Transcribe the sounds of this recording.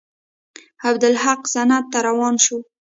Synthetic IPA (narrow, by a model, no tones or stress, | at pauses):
abd̪ʊlhaqzanat̪ːaɾawɑnʃu